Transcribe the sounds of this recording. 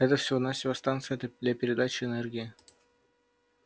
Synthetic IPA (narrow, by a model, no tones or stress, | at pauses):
ɛt̪əfsʲɪvonasʲɪvast̪ant̪sɨjt̪d̪lʲapʲɪɾʲɪd̪at͡ɕɪɛnɛrɡʲɪɪ